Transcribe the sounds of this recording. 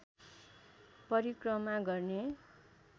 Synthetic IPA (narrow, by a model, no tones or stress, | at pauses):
pʌɾikrʌmaɡʌrne